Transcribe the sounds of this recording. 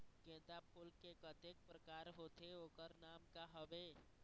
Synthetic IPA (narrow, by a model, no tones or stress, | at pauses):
ɡɛ̃ːd̪apʰʊlkekət̪eːk̚pɾəkaːɾɦoːt̪eoːkəɾnaːmkaɦəʋeː